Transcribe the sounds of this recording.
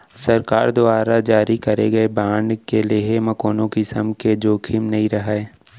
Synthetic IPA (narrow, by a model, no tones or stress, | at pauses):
sɐɾkaːɾd̪ʊaːɾad͡ʒaːɾikɐɾḛɡɐebaːɳɖkeleɦemɐkoːnõkisɐ̰mked͡ʒoːkʰɪmnɐɦĩɾɐɦaeː